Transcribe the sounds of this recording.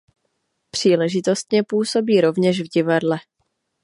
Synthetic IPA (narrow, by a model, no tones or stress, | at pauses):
pr̝̥iːlɛʒɪt̪o̞st̪ɲɛpuːso̞biːɾo̞vɲɛʃvɟɪvadlɛ